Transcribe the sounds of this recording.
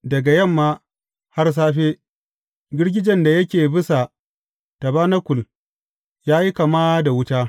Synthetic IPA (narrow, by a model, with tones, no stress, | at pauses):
dɐ˨ɡa˨jɐ˦˨mːaː˦ | ha˦rs̬aː˦ɸeː˦ | ɡʲɪ˦ɽɡʲɪ˦d͡ʒɐ˨nda˨jɐ˦kʲeː˨bɪ˦sa˨ | ta˨baː˦na˦kʷʊ˨l | jaː˦ji˦ka˨maː˦da˨wʊ˦taː˦